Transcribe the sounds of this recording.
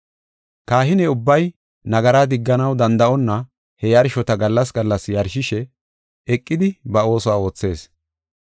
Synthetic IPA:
kaːhɪnɛʊbːɐj | nɐɡɐɾaːd̪ɪɡːɐnɐwd̪ɐnd̪ɐʔɔnːɐ | hɛjɐɾʃɔt̪ɐɡɐlːɐsɡɐlːɐsjɐɾʃɪʃɛ | ɛkʼːɪd̪ɪbɐo̞ːsɔwaːo̞ːt͡sːe̞ːs

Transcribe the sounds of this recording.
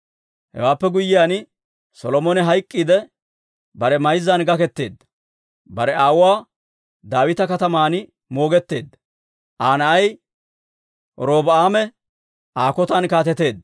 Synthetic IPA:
hɛ̰waːpːɛɡʊjːɪjaːn | sɔlɔmɔnɛɦɐjkʼːiːd̪ɛ | bɐɾɛmɐjzːɐnɡɐkɛt̪ːe̞ːd̪ːɐ | bɐɾɛaːwʊwaː | d̪aːwɪt̪ɐkɐt̪ɐmaːn | mo̞ːɡɛt̪ːe̞ːd̪ːɐ | ʔaːnɐɐj | ɾoːbɐaːmɛ | aːkɔt̪ɐnkaːt̪ɛt̪e̞ːd̪ː

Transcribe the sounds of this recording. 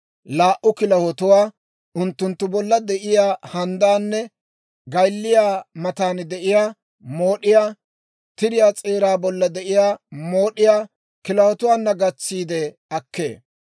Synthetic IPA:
laːʔʊkɪlɐhɔt̪ʊwaː | ʊnt̪ːʊnt̪ːʊbɔlːɐd̪ɛʔɪjaːhɐnd̪aːnːɛ | ɡɐjlːɪjaːmɐt̪aːnd̪ɛʔɪjaː | moːɗɪjaː | t̪ɪɾɪjaːt͡sʼeːɾaːbɔlːɐd̪ɛʔɪjaːmo̞ːɗɪjaː | kɪlɐhɔt̪ʊwaːnːɐɡɐt͡sːiːd̪ɛ | ɐkːe̞̰ː

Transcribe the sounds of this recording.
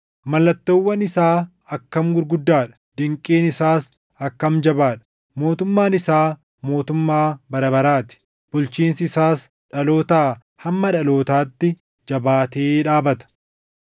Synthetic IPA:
mɐlːɐt̪ːowːɐnɪsaː | ɐkːɐmɡʊɾɡʊd̪ːaːᶑɐ̥ | d̪̥ɪŋkʼːeːnɪsaːs | ɐkːɐmd͡ʒɐbaːᶑɐ̥ | mo̞ːt̪ʊmːaːnɪsaː | mo̞ːt̪ʊmːaːbɐɾɐbɐɾaːt̪ɪ̥ | b̥ʊlt͡ʃiːnsɪɪsaːs | ᶑɐlo̞ːt̪aː | hɐmːɐᶑɐlo̞ːt̪aːt̪ːɪ | d͡ʒɐbaːt̪eːᶑaːbɐt̪ɐ̥

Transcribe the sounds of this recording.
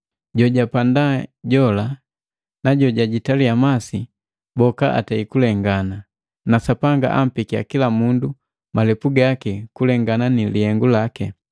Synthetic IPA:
ɟɔɟapandaɟɔla | naɟɔɟaɟitaliamasi | bɔkaʔa̰taikulɛŋɡana | nasapaŋɡa̰ʔam̩pikia̰kilamundu | malɛpuɡakɛkulɛŋɡananilihɛŋɡulakɛ

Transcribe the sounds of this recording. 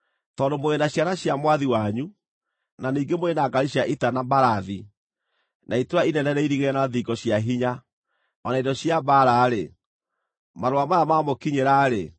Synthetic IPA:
tɔːndomoɣenaɕjaɾaɕjamwaðiwaɲu | naniːŋɡemoenaɡaɾiɕjaʔitanambaɾaði | naitoainɛnɛɾɛiɾiɣeɛnaðiɡɔɕjaɦiɲa | ɔnaidɔɕjaβaɾaːɾe | maɾoamaɾamamokiɲeɾaɾe

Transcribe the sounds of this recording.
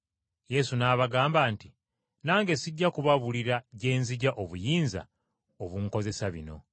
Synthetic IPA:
je̞sunaːβaɡaːmbaːnti | naːŋɡe̞siɟːakuβaβuliɾaɟe̞ːnziɟaʔo̞βujiːnza̰ | oβuŋko̞ze̞saβḭno̞̰

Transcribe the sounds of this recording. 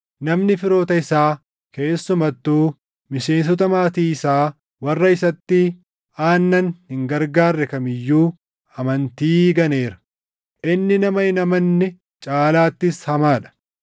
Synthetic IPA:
nɐmnɪfɪɾo̞ːt̪ɐɪsaː | ke̞ːsːʊmɐt̪ːuː | mɪse̞ːns̬ɔt̪ɐmaːt̪iːɪsaː | wɐrːɐɪsɐt̪ːɪ | aːnːɐnhɪŋɡɐɾɡaːrːɛkɐmɪjːuː | ɐmɐnt̪iːɡɐneːɾɐ̥ | ʔɪnːɪnɐmɐɪnɐmɐnːɛ | t͡ʃʼaːlaːt̪ːɪshɐmaːᶑɐ̥

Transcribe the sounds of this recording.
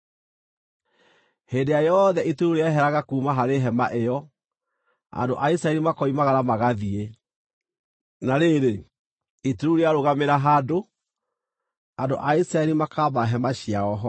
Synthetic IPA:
heːndejajɔðɛʔituɾuɾeaeɦɛɾaɣakuːmaɦaɾeɦɛmaʔejɔ | a̰ndo̰ʔaisɾaɛɾimakɔimaɣaɾamaɣaðie | naɾeɾe | ituuɾeaɾoɣameɾaɦado | ando̰ʔaisɾaɛlimakaːbaɦɛmaɕiaɔɦɔ

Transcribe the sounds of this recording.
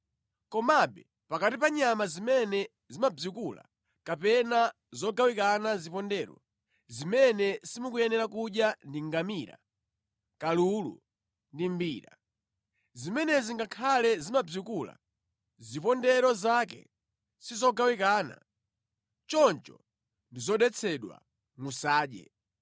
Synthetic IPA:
kɔmabɛ | pakatipaɲamazimɛnɛ | zimab͡ʐikula̰ | kapɛna | zɔɡawikanazipɔndɛɾɔ̰ | zimɛnɛsimukujɛnɛɾakuɗjandiŋɡamiɾa̰ | kalulṵ | ndimbiːɾa | zimɛnɛziŋɡakʰalɛzimab͡ʐikula̰ | zipɔndɛɾɔzakɛ̰ | sizɔɡawikaːna̰ | t͡ʃɔnt͡ʃɔ | ndizɔɗɛt͡sʰɛɗwa̰ | ŋusaːɗɛ̰

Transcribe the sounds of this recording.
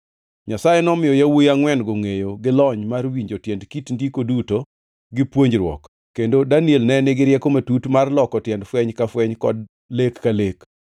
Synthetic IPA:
ɲasajenɔmɪjɔjawojaŋwɛnɡoŋejoɡɪlɔɲmarwiɲd͡ʒotjɛndkitndikoduto | ɡɪpwoɲd͡ʒɾwɔ̰kː | endodanielnɛnɪɡɪɾɪjɛkomatutmarlɔkɔtjɛndfwɛɲkafwɛɲkɔ̰d | lekːalek

